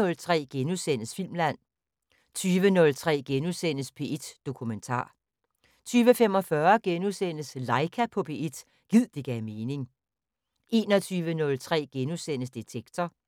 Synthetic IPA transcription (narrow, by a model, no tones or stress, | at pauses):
ɔ̽lt͡sʰʁɛ̰ːɡ̥enusen̰əsfil̰mlæn̰ | t͡sʰyːʋənɔ̽lt͡sʰʁɛ̰ːɡ̥enusen̰əspʰe̝ed̥d̥o̝kʰument͡sʰɑ̰̈ː | t͡sʰyːʋəfem̰ɒ̽fɶɐɡ̥enusen̰əslɑ̈ɪkʰæpʰɔ̽bʰe̝e̝d̥ | ɡ̥ið̰ˠd̥eɡ̥ɛme̝ːne̝ŋ | ʔe̝ːnɒ̽t͡sʰyːʋənɔ̽lt͡sʰʁɛ̰ːɡ̥enusen̰əsd̥et͡sʰeɡ̥t͡sʰɐ